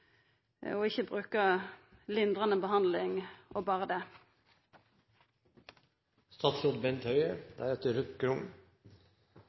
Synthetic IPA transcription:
ɔɪçəbʁʉːkəlɪnd̪ʁɑnəbəhɑnd̪lɪŋʔoːbɑːʁəd̪eː | st̪ɑːt̪sɾod̪̚bɛnt̪hœʏəd̪̥æːɛt̪əɾʉt̪ɡɾʊŋ

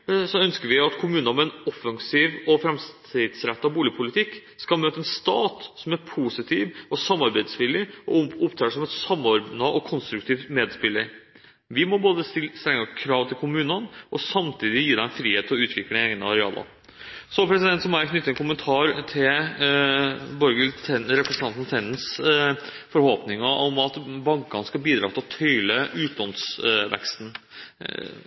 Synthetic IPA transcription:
sɔœnskəɾʋɪɑt̪kʰʊmʉːnɑmɛɛnɔfːɑŋsiːʋɔfɾɛmst̪ʰɪd̪sɾɛt̪ːɑʋbuːlɪpʰʊlɪt̪ʰɪkːskɑlmøːt̪əɛnst̪ɑːt̪sɔmæɾpʰuːsɪt̪ʰiːʋɔsɑmːɑɾbæɪd̪sʋɪlːɪɔʊpt̪ʰɛsɔmɛt̪sɑmːɔɾbnɑʔɔkʰɔnst̪ɾʉkt̪ʰiːʋmeːd̪spɪlːəɾ | ʋɪmɔboːd̪əsst̪ɾɛŋːəkʰɾɑːʋt̪ʰɪlkʰʊmʉːnənʔɔsɑmt̪ʰiːd̪ɪjiːd̪ɛɛnfɾiːheːt̪ʰːɪlɔʉːt̪ʰʋɪkləeːɡnəɑɾɛɑːlʔɑ̰ɾ | sɔpʰɾɛsɪd̪ɛnt̪sɔmɔækʰnʏt̪ːəkʊmənt̪ʰɑːɾt̪ʰɪl | bɔɾɡəlt̪ʰɛɾɛpɾɛsənʰɑnt̪n̩t̪ʰɛnːəns | fɔɾhɔpnɪŋɑʔɔmɑt̪bɑŋkɑnskɑlbiːd̪ɾɑːt̪ʰɪlɔt̪ʰœʏləʉːt̪lɔnsʋɛ̰kst̪n̩

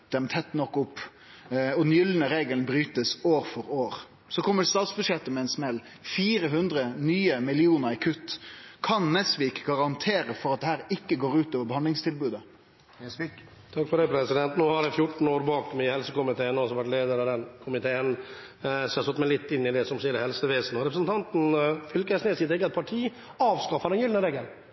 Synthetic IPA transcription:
d̪̥ɛmt̪ʰɛt̪ːnɔkːʊpː | ɔd̪njʏlːənəɾeːɡəlnbɾyːt̪əsoːɾfɔɾoːɾ | sɔkʰɔmːəɖst̪ɑːt̪sbʉd̪ʂjɛt̪ːəmɛɛɪnsmɛlː | fiːɾəɦʉnd̪ɾənyːəmɪlɪuːnəɾɪkʰʉt̪ːkʰɑnnɛsʋiːkɡɑʁɑnt̪ʰeːɾəfɔɾɑt̪̚d̪ɛhæːɾɪkːəɡoːɾʉːt̪oːʋəɾbəhɑnd̪lɪŋst̪ʰɪlbʉːd̪ə | t̪ʰɑkfɔɖɛpʰɾɛsɪd̪ɛnt̪noːhɑɾæfjʊʈɳ̩oːɾbɑːkmæhɛlsəkʊmɪt̪ʰeːənɔsɔʋæʈleːd̪əɾɑʋd̪ɛnkʰʊmɪt̪ʰeːən | sɔhɛɾsɔt̪ːmæɪlɪt̪ːɪnːɪd̪ɛsɔmsiːəɾəhɛlsəʋeːsn̩ɔɾɛpɾəsn̩t̪ʰɑnt̪n̩fʏlkæsnɛːsɪːt̪ʰɪk̬ːəɑt̪̚pʰɑʈʰiː | ɑːʋskɑfːɑd̪ɛnjʏlnəɾɛɡəl

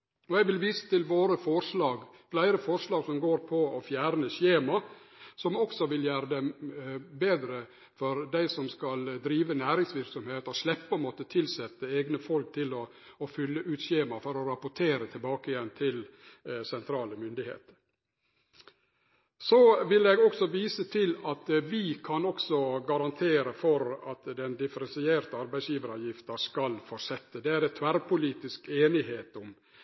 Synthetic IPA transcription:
ɔɛɡʋɪlʋiːsə̥t̪ʰɪlʋoːɾəfɔɾʂlɑːɡ | flæɪɾəfɔɾʂlɑːɡsɔmɡoːɾpʰɔɔfjæːɾnəçeːmɑsɔmɔksɔʋɪljæːɾəd̪ɛmbeːd̪ɾə | fɔɾd̪æɪsɔmskɑld̪ɾiːʋənæːɾɪŋsʋɪɾksɔmheːt̪əɔslɛpːɔmɔt̪ːət̪ʰɪlsɛt̪ːəeːɡnəfɔlk̚t̪ʰɪlɔː | fʏlːəʔʉːt̪ɕeːmɑfɔɾɔɾɑpʊʈʰeːɾət̪ʰɪlbɑːkɪjɛnːt̪ʰɪlsɛnt̪ʰɾɑːləmʏnd̪ɪhḛːt̪ə̥ɾ | soʋɪlɛɡɔksɔʋiːsət̪ʰɪlɑt̪ʋɪkʰɑnɔksɔɡɑɾɑnt̪ʰeːɾəfɔɾɑt̪d̪ɛnd̪ɪfəɾɛnsɪeːɾt̪əɑɾbæɪsjiːʋəɾɑʋjɪft̪ɑskɑlfɔʂɛt̪ːəd̪ɛæɾɛt̪ʰʋæɾpʰʊliːt̪ɪskeːnɪheːt̪ʊm

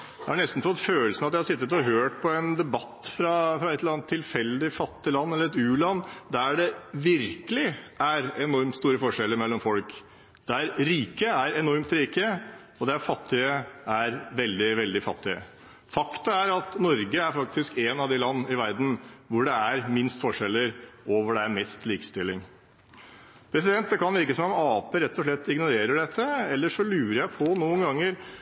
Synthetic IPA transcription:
dæhɑnɛst̪n̩fɔt̪ːføːəlsənɑt̪ɪhɑsɪt̪ːət̪ɔɦøːʈ̚pʰɔɛnd̪ɛbɑt̪ːfɾɑfɾɑɛt̪lɑnt̪ʰːɪlfɛlːd̪ɪfɑt̪ːɪlɑnːɛlːəɾɛt̪ʉːlɑnːd̪æɖɛʋɪɾkəlɪʔæɾɛnɔɾmt̪st̪uːɾəfɔʂɛlːəɾmɛlːɔmfɔlk | d̪̥ɛæɾɾiːkəæɾɛnɔɾmt̪ɾiːkə | ɔd̪ɛæɾfɑt̪ʰːɪəæɾʋɛld̪ɪʋɛld̪ɪfɑt̪ːɪə̰ | fɑkt̪əæɾɑt̪nɔɾɡəæɾfɑk̚t̪ɪskɛnɑʋd̪ɪlɑnːɪʋæɾd̪n̩ʋʊɖɛæɾmɪnst̪fɔʂɛlːəɾoːʋəɖɛæɾmɛst̪liːkə̥st̪ɪlːɪŋ | pʰɾɛsɪd̪ɛnt̪̚d̪ɛkʰɑnʋɪɾkəsɔmɔmɑːpəɾɛt̪ːɔʂɭɛt̪ːɪɡnʊɾeːɾəɖɛt̪ʰːəɛlːəʂɔlʉːɾəɾjæɪpʰɔnuːənɡɑŋːəɾ

